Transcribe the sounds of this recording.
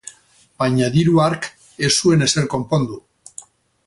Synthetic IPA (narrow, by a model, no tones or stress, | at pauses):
bajɲaðiɾuaɾk | e̞sue̞ne̞se̞ɾko̞mpo̞nd̪u